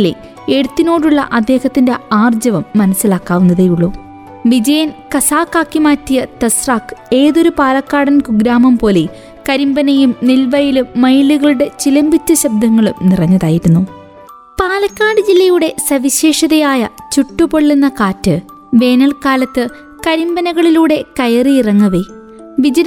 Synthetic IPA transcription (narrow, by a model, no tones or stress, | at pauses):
lḛ | eɽut̪ːino̞ːɽuɭːɐ̰ʔɐd̪ːe̞ːhɐt̪ːinde̞aːrd͡ʑɐʋɐmːɐnɐsːilaːkːaːʋunːɐðɐjuɭːu | ʋid͡ʑɐjɐnkɐsaːkːaːkːimaːtːijɐt̪ɐsraːkɨ̥e̞ːðo̞ɾupaːlɐkːaːɽɐnkuɡɾaːmɐmpo̞ːle | kɐɾimbɐnɐjumnilʋɐjilumːɐjluɣɐɭuɽe̞t͡ɕilɐmbit͡ɕːɐɕɐb̚d̪ʱɐŋːɐɭumnirɐɲːɐðaːjiɾunːu | paːlɐkːaːɖɨd͡ʑilːɐjuɽe̞sɐʋiɕe̞ːʂɐðɐjaːjɐt͡ɕuʈːupoɭːunːɐkaːtːɨ | ʋe̞ːnɐɭkaːlɐt̪ːɨ | kɐɾimbɐnɐɣɐɭiluːɽe̞kɐjɐriirɐŋːɐʋe | ʋid͡ʑɐn